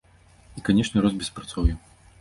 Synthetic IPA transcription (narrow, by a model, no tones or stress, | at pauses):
ikanʲɛʂnʲɛɾɔzbʲɛspɾat̪sɔwjɛ